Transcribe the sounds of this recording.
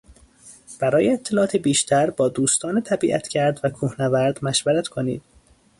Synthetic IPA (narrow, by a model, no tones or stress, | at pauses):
b̥æɾɒːjeet̪ʰːelɒʔːt̪ʰebiːʃt̪ʰæɾbɒːd̪uːst̪ʰɒːnet̪ʰæbiːʔæt̪ʰcʰæɾd̪vækʰuːhnævæɾd̪mæʃvæɾæt̪kʰonḭːd̪̥̚